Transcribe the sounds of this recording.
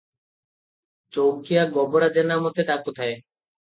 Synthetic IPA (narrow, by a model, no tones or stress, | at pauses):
t͡ɕowkijaɡɔboɽad͡ʑenamɔt̪eɖakut̪ʰae